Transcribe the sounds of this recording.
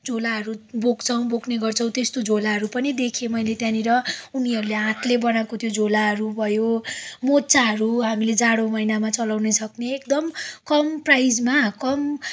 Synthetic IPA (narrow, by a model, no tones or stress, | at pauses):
d͡zʱolaɦʌɾubokt͡sʰʌw̃bokneɡʌrt͡sʰʌ̃w̃t̪est̪od͡zʱolaɦʌɾupʌnid̪ekʰemʌjlet̪jãniɾʌuniɦʌɾuleɦãt̪ʰlebʌnakot̪ʰjod͡zʱolaɦʌɾubʱʌjomotːt͡saɦʌɾuɦamiled͡zaɽomʌjnamat͡sʌlawnesʰʌkneːkd̪ʌmkʌmprajd͡zmakʌm